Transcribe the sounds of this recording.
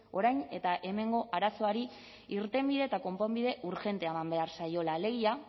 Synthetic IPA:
o̞ɾajne̞t̪aʔe̞me̞ŋɡo̞ʔaɾaso̞aɾi | iɾt̪e̞mbiðe̞ːt̪ako̞mpombið̞e̞ʔuɾʝe̞nt̪eaemambe̞aɾsajo̞lale̞ɣia

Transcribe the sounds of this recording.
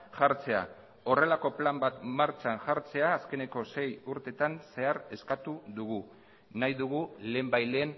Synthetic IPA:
ʝaɾt͡se̞a̰ | o̞re̞lako̞plambat̪maɾt͡ʃanʝaɾt͡se̞aːske̞ne̞ko̞se̞juɾt̪e̞t̪anse̞aɾe̞skat̪uðuɣu | najðuɣ̞ule̞ːmbajleːn

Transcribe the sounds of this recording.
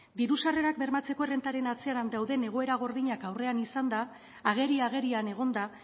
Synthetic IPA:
b̪iɾusare̞ɾak̚be̞ɾmat͡se̞ko̞ere̞nt̪aɾe̞nat͡seaɾand̪awðe̞ne̞ɣ̞o̞e̞ɾaɣ̞o̞ɾðiɲakawre̞anisand̪aː | ɣ̞e̞ɾiaɣ̞e̞ɾiane̞ɣ̞o̞nd̪a

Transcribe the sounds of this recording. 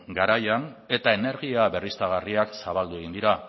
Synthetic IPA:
ɡaɾajane̞t̪ae̞ne̞ɾɣiaβe̞rist̪aɣ̞ariaksaβald̪ue̞ɣind̪iɾa

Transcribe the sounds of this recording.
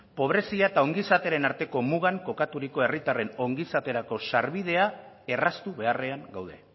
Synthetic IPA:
po̞β̞ɾe̞siaet̪ao̞ŋɡisat̪eɾe̞naɾt̪e̞ko̞muɣ̞aŋko̞kat̪uɾiko̞e̞rit̪are̞no̞ŋɡisat̪e̞ɾako̞saɾβið̞e̞ae̞rast̪uβe̞are̞aŋɡawð̞e̞̰

